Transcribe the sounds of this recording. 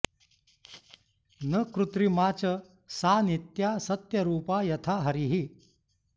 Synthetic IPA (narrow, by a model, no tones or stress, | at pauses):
nəkɾut̪ɾimaːt͡ʃə | saːnit̪jasɐt̪jɐɾuːpajɐt̪ʰaɦɐɾiɦi